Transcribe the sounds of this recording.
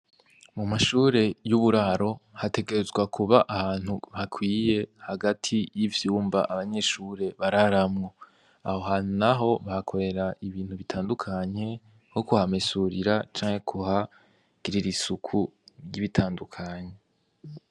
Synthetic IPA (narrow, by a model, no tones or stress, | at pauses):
mumaʃuːɾe̞juβuɾaɾo̞hate̞ɡe̞ɾezɡwakʰuβaʔahaːn̥huβakʰwiːje̞haɡatʰijivjuːmbaʔaβaɲe̞ʃuːɾe̞βaɾaɾamŋo | aho̞ɦaːn̥unaɦo̞βahakʰo̞ɾe̞ɾaʔiβiːn̥huβitʰaːndukʰaɲe̞ | hokuhamesuɾiɾat͡ʃaːŋhe̞kʰuha | ɡ̥iɾiɾisukʰuɾjiβitʰaːndukʰaɲe̞